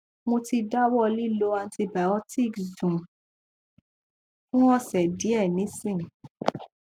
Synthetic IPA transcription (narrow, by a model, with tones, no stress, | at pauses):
mõ˧ti˧da˦wɔ˦˧li˦lo˧ã˧nti˧ba˨ɔ˦ti˦˨kzũ˨ | fũ˦ɔ˦sɛ˨di˨˦ɛ˦˨nĩ˨˦sĩ˦˨